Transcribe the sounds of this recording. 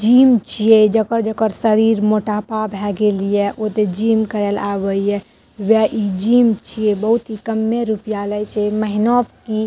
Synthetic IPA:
d͡ʒimt͡ʃijed͡ʒəkəɾd͡ʒəkəɾsəɾiɾmoʈapabʱɛɡelijɛʔot̪ed͡ʒimkəɾela̰bəijɛ | wɛʔid͡ʒimt͡ʃʰijebəɦut̪ɦikəmːeɾupijalɛjt͡ʃʰeməɦinɔp̚ki

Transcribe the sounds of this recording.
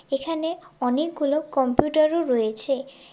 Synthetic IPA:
ekʰaneɔnek̚ɡulokɔmpjuʈaɾoɾɔjet͡ɕʰe

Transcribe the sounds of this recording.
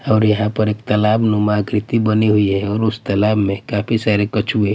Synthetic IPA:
ɔːɾjɐɦãpəɾeːkt̪əlaːbnumaːɡɾɪt̪ibəniɦuiɦɛɔːɾʊst̪əlaːbmẽkaːpʰisaɾekət͡ʃʰuɦe

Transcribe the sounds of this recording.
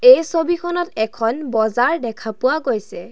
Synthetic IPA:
ejsobikʰɔnɔtɛkʰɔnbɔzaɹdɛkʰapʊwaɡojsɛ

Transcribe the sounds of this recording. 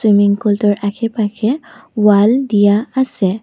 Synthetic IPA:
wimiŋkɔltɔɹʔakʰɛpakʰewaldijaasɛ

